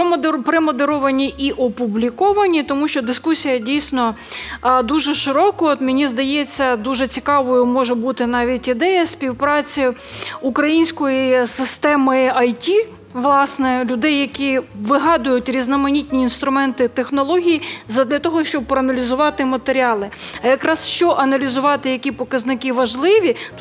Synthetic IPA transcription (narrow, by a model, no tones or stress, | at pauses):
pɾeɪmɔd̪eɾɔʋɐnʲiʔiʔɔpublʲikɔʋɐnʲit̪ɔmuʃt͡ʃɔd̪ɪskusʲijɐdʲijsʲnɔ | d̪uʒɛʃɪɾɔkɔɔt̪mʲɪnʲizd̪ɐjɛt͡sʲːɐd̪uʒɛt͡sʲikɑʋɔjʊmɔʒɛbut̪ɪnɑʋʲitʲid̪ɛjɐsʲpʲiwpɾɑt͡sʲiukɾɐjinʲsʲkɔjisɪst̪ɛmɪɐjtʲi | ʋlˠɑsnɛlʲʊd̪ɛjːɐkʲiʋɪɦɑd̪ʊjʊtʲɾʲiznɐmɐnʲitʲnʲiːnst̪ɾʊmɛnt̪ɪt̪exnɔlˠɔɦʲijizɐd̪lʲɐt̪ɔɦɔʃt͡ʃɔb̚pɾɔɐnɐlʲizʊʋɑt̪ɪmɐt̪eɾʲiɑlˠɪɐjɐkɾɑsʃt͡ʃɔʔɐnɐlʲizʊʋɑt̪ɪjɐkʲipɔkɐznɪkɪʋɐʒlˠɪʋʲi